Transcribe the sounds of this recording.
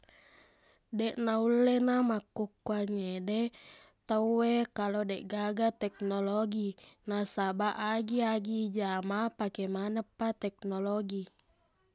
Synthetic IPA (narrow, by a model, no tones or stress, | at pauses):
dɛʔnaulːɛnamakːukːuaɲedɛ | t̪əuwekalodɛʔɡaɡat̪ɛk̚noloɡinasabaʔaɡiaɡid͡ʒamapakɛmanapːat̪ɛk̚noloɡi